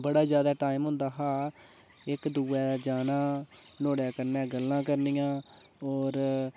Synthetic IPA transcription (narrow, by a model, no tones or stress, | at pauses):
bəɽaːzjaːd̪aːʈaːimɦʊ̃nd̪aːɦaː | ɪkd̪uːɛːd͡ʒaːnãːnoːɽjaːkəɾnɛ̃ːɡəlːãːkəɾnijãː | ɔːɾ